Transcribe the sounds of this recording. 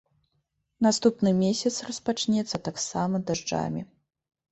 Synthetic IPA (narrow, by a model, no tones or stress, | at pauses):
nast̪upnɨmʲesʲɐt̪srɐspat͡ʂnʲɛt̪sːɐt̪aksamɐd̪aʐd͡ʐa̰mʲi